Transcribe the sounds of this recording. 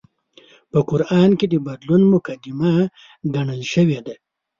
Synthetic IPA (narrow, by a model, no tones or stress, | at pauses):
pəkʊɾɑːnked̪əbad̪lunmʊkad̪ɪma | ɡaɳəlʃəwed̪a